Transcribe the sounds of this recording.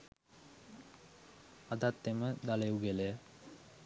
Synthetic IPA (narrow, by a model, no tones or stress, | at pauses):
ad̪at̪ːeməd̪aleuɡeləjə